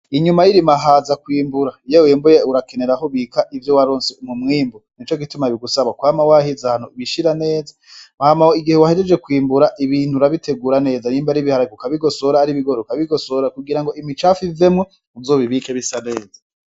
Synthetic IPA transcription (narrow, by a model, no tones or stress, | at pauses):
iɲumajiɾimaɦazakwiːmbuɾajeweːmbojeuɾake̞ne̞ɾahoβikaʔivjowaɾoːnseumumŋiːmbonit͡ʃo̞k̬itumaβiɡusaβakwaːmawahizahan̥uβiʃiɾane̞ːzamahamahoiɡihewahed͡ʒed͡ʒe̞kwiːmbuɾaʔiβiːn̥uɾaβitʰe̞ɡuɾane̞ːzaniːmbaɾiβihaɾakukaβiɡo̞soɾaːɾiβiɡoɾokaβiɡo̞soɾakuɡiɾaŋɡo̞ʔimit͡ʃafize̞mŋo | uzoβiβiːkeβisane̞ːza